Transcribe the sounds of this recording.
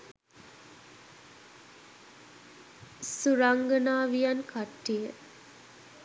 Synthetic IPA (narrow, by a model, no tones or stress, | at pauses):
suɾaŋɡənaːʋijankaʈːijə